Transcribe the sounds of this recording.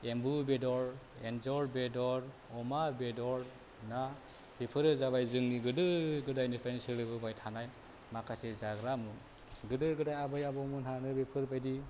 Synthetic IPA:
embubedɔɾ | enzɔɾbedɔɾ | ɔmabedɔɾ | na | bipʰɯɾɯzaβajzɯŋniɡɯdɯɡɯdajnipʰansɯɾɯbɯbajtʰanaj | makʰasezaɡɾamɯ | ɡɯdɯɡɯdajabɯjabɔmɯnanɯbipʰɯɾbajdi

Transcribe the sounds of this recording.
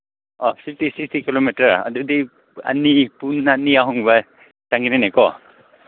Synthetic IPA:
ɔsʰip̚ʰtisikstikilomitaɹa̰dudi | a̰nipunaniaɦɔŋba | taŋɡinanajkɔ

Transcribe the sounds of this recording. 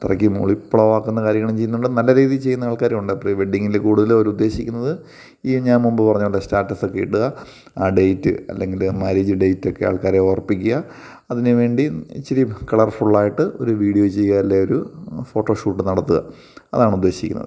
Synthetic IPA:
t̪irɐ̰kːimṵɭipːɭɐʋaːkːunːɐkaːɾjɐŋːɐɭɐmt͡ɕejːnːuɳɖɨnɐlːɐɾiːðijt͡ɕe̞jːunːɐaːɭkaːɾeuɳɖɨɐpːriʋeɖːiŋːiilekuːɽuðɐloɾuud̪ːe̞ːɕikʲːunːɐðɨ | iːɲaːnmumbɨpɐrɐɲːuɐlːɐstaːʈːɐsokːeḭʈːuɣɐ | aːɖejtːɨ̰ɐ̰lːe̞ŋɡilmaɾid͡ʑɨɖe̞jtːokːe̞a̰ːɭkaːɾeoːrɐpːikʲːuɣɐ | ɐðineʋe̞ːɳɖit͡ɕːɐɾikɐɭɐrfuɭːaːjiʈːɨo̞ɾuʋiːɽijo̞t͡ɕejaːɾilːeo̞ɾufo̞ːʈːo̞ːʂuːʈːɨnɐɽɐt̪ːuɣɐ̰ | ɐ̰ðaːɳud̪ːe̞ːɕikʲːunːɐ̰ðɨ

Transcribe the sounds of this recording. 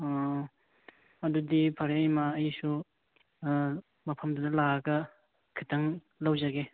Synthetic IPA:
ɐdudipʰɐɾejmaːjisu | mɐpʰɐmdudɐlaɡɐ | kʰitʰɐŋ | lɐwd͡ʒaɡe

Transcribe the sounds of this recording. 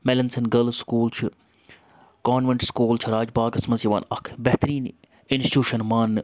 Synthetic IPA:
mɛlɐnsɐnɡɐlskuːlt͡ʃʰi | kaːnʋeɳʈskuːlt͡ʃʰiɾaːd͡ʒbaːkɐsmɐzjɐʋa̰ːnɐkʰbɛɦt̪ɾiːn | ɪnsʈi̥ʈjuːʃɐnmaːnː

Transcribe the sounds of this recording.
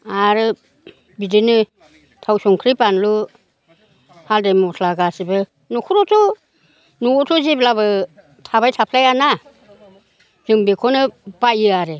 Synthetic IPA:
aɾɯ | bidɯnɯ | tʰawsɔŋkʰɾipanlu | haldemɔtʰlaɡasibɯ | nɔkʰɯɾɔtʰɔ | nuɔtʰɔzeblaβɯ | tʰaβajtʰapʰlajana | zɯŋbekʰɔnɯbajɯaɾe

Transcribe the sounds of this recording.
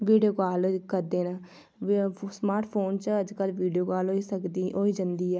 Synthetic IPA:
ʋiːɖijoːkaːlkəɾd̪eːnaː | smaːɾʈʰpʰoːnt͡ʃəd͡ʒkəlʋiːɖijoːkaːlɦoiːsəkd̪iɦoːiːd͡ʒənd̪iːɛː

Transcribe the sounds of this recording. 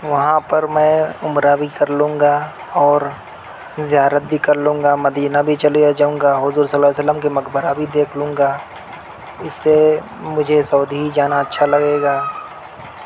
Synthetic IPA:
ʋɐɦãpɐɾmɛ̃ːʊmɾabʱikɐɾlũːŋ̆ɡa | ɔːɾ | zɪjaːɾət̪̚bʱikɐɾlũːŋɡamɐd̪iːnabʱit͡ʃɐlijad͡ʒaːũːŋɡaɦʊzuːɾsəlːaːjsələmkimɐkbəɾabʱid̪eːkʰlũːŋɡaː | ɪsːe | mʊd͡ʒʱesɔːd̪ʱiɦid͡ʒaːnaɐtːʃʰalɐɡeːɡaː

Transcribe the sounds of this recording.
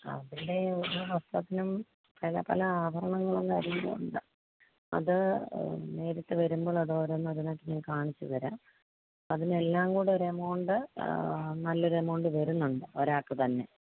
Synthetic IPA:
ɐ̰ðilde̞oɾuʋɐst̪ɐt̪ːinum | pɐlɐ̰pɐ̰lɐaːbʱɐɾɐɳɐŋːɐɭukaːɾinːɐ̰ṵɳɖɨ | ɐ̰ðɨ | ne̞ːɾɐʈːɨʋɐɾumbo̞ːɭɐðoːɾenːɐðino̞ːkːɨɲaːnkaːɳit͡ɕːuʋɐɾa̰ːm | ɐðine̞lːaːŋkuːɽeɾemo̞ːɳɖɨ | nɐlːuɾemo̞ːɳɖɨʋɐɾunːuɳɖɨoɾaːkːɨt̪ɐnːe̞̰

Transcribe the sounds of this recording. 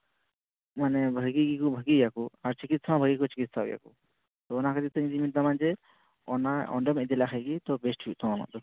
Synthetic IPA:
manɛbʱəɡiɡikɔbʱəɡijakɔaɾt͡ʃikit̪̚samãbʱəɡikɔt͡ʃi̥kit̪̚saṵja̰kɔ | t̪ɔːnakad̪it̪əɲd͡ʒimit̪amand͡ʒɛ | ɔnaɔ̰ɳɖəmɛɛd͡ʒ̪ɛlaxəjɡit̪ɔbɛsʈuʔt̪ɔ̃ɔna̰ʔd̪ɔ

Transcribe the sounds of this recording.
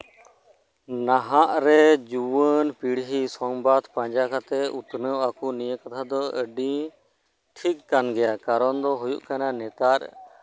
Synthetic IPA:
naɦaʔɾɛd͡ʒuwənpiɽɦisɔŋbad̪pãɲd͡ʒakʰat̪ɛut̪nəakunijəkat̪ʰad̪ɔəɖĩ | ʈʰikːanɡɛjakaɾɔnd̪ɔɦujuʔkananɛt̪aɾ

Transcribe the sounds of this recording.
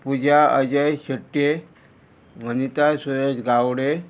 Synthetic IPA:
pud͡ʑʱaəd͡ʑəjɕəʈːje | ʋʱənit̪asojed͡ʑɡawɽe

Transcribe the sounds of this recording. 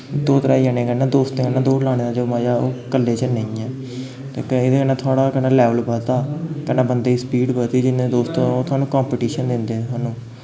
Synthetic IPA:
d̪oːt̪əɾaːiənẽːkənãːd̪oːst̪eːkənãːd̪oːlaːnẽːd̪aːd͡ʒoːmãːd͡ʒaːoːkəlːeːt͡ʃənə̃ĩːɛː | t̪ḛːkəed̪eːkənãːt̪ʰʊaːɽaːkənaːlɛːʋəlbət̪aːkənãːbənd̪eːiːspiːɖbət̪iːd͡ʒɪneːd̪oːst̪õːoːt̪ʰwaːnũːkãːmpeʈiːʃənd̪ɪnd̪eːaːnũː

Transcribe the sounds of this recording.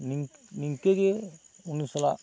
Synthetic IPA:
niŋniŋkeɡe | unːisɐla

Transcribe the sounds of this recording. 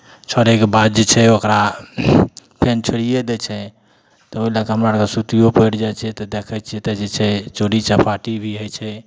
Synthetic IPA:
t͡ʃʰɔɾekebad̪̚d͡ʒet͡ʃʰɛokɾa | pʰent͡ʃʰoɽijed̪et͡ʃʰɛ | t̪ɔoilakeɦəmɾakesut̪ijopəjɽd͡ʒat͡ʃʰɛt̪ɔd̪ekʰɛt͡ʃʰiɛt̪ɛd͡ʒet͡ʃʰɛt͡ʃoɽit͡ʃəpʰaʈibʱiɦojt͡ʃʰɛ

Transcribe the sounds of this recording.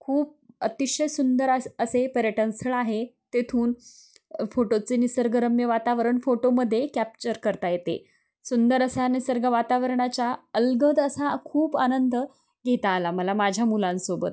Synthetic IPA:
kʰuːp̚ət̪iɕəjsund̪əɾaəsepəɾjəʈənst̪ʰəɭaɦet̪et̪ʰuːn | foʈot͡senisəɾɡəɾəmjəʋat̪aʋəɾəɳfoʈoməd̪ʱːjekæp̚t͡ɕəɾkəɾt̪ajet̪ḛ | sund̪əɾəsaanisəɾɡʱəʋat̪aʋəɾɳat͡ɕaəlɡəd̪əsakʰuːpanənd̪ə | ɡʱet̪aːlaməlamad͡ʑʱjamulãnsobə̰t̪

